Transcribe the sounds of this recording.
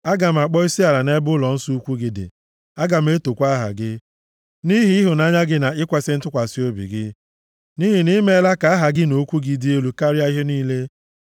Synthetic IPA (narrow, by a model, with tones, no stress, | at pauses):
a˦ɡa˨m̩˨a˨k͡pɔ˦i˦si˦a˨ɾa˨ne˦bʊ˦lɔ˨n̩˦su˦u˦kʷu˦ɡɪ˦dɪ̰˨ | a˦ɡa˨m̩˦e˦to˨kʷa˦ɦa̰˨ɡɪ˦ | ni˦ɦi˦i˦ɦʊ˨na˦ɲa˦ɡɪ˦na˨ɪ˦kʷa˦sɪ˦n̩˦tʊ˦kʷa˨si˦o˦bḭ˨ɡɪ˦ | ni˦ɦi˨ni˦me˦la˦ka˨a˦ɦa˨ɡɪ˦no˨˦kʷu˦ɡi˨di˦e˦lu˦ka˦ɾi˦a˦i˦ɦe˦niː˦le˦